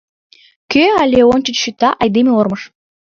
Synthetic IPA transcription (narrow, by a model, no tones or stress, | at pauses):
køalʲeonʲt͡ɕət͡ɕʃyt̪ɑʔɑjd̪emʲeormɤʃ